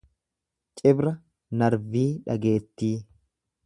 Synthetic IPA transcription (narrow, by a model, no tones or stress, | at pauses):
t͡ʃʼɪbɾɐ | nɐɾviːᶑɐɡe̞ːt̪ːiː